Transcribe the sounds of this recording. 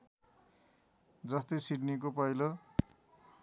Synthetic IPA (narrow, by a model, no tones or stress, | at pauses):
d͡zʌst̪ʌjsiɖnik̬opʌjlʌ